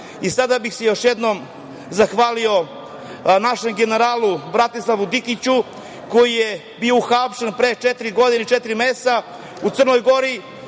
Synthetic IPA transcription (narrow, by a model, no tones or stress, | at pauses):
isad̪abixsejo̞ʃjed̪no̞m | zaxʋaːlio̞ | naʃe̞mɡe̞ne̞ɾaːlˠubɾat̪islˠaʋud̪ikit͡ɕu | ko̞jije | biouxapʃenpɾet͡ʃet̪ɾiɡo̞d̪ineit͡ʃet̪ɾimeːst̪a | ut̪sər̩nojɡo̞ɾi